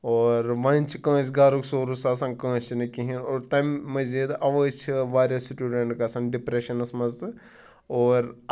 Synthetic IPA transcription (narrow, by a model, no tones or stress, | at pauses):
oːɾʋɐ̃nʲt͡ʃikə̃ːs̬ɡaːɾuksoːɾusaːsɐ̃ŋkə̃ːst͡ʃinɐkiɦinoːɾt̪ɐmmɐzid̪ɐʋət͡ʃʰiʋaːɾjɐsʈʲuːɖeɳʈkɐsɐnɖipɾeʃɐnɐsmɐzɨ | oːɾ